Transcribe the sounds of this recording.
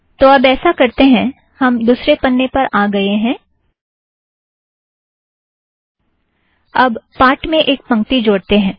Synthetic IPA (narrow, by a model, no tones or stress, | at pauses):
t̪oɐbɛːsakɐɾt̪eɦɛ̃ | hɐmd̪uːsɾepɐnːepɐɾʔaːɡɐeɦɛ̃ː | ɐbpaːʈmẽʔeːk̚pɐ̃ŋk̚t̪id͡ʒoːɽt̪eɦɛ̃ː